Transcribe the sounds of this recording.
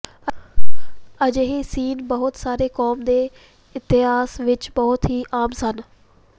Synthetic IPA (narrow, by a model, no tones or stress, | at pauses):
ɐd͡ʑɦesiːnbɐɦʊt̪saːɾekɔːmd̪eː | ɪt̪ɪɦaːsʋɪt͡ʃbɐɦʊt̪ɦiːʔaːmsən